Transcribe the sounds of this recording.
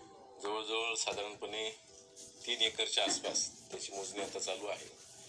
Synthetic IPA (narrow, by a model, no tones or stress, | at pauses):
d͡zəʋəɭd͡zəʋəɭsad̪ʱaɾənpəne | t̪iːnjekəɾt͡ɕaːspast̪jat͡ɕiːmod͡zniat̪at͡saluːaɦḛ